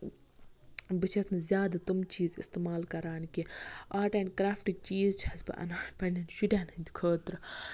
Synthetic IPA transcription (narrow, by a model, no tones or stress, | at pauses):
bɨʃʰɐsnɨzʲjaːd̪at̪umt͡ʃiːzḭst̪emaːlkɐɾaːnkiaːʈɐːnʲkɾaːfʈik̚t͡ʃiːzt͡ʃʰɐsbɨ̰ʔɐ̰naːnpɐnɐnʃuʈʲaːnɨnd̪kʰəːt̪ɾɨ